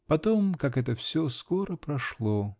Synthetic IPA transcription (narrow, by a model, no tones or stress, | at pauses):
pɐt̪omkakɛt̪əfsʲoskoɾəpɾɐʂlˠo